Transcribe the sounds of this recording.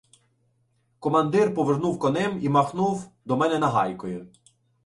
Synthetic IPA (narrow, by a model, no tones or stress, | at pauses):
kɔmɐnd̪ɪrpɔʋernuwkɔnɛmimɐxnuwd̪ɔmɛnɛnɐɦɑjkɔjʊ